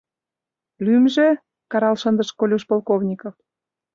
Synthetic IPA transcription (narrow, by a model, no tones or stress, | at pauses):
lymʒe | kɑɾɑlʃənd̪ə̆ʃkolʲuʃpolkovnʲikof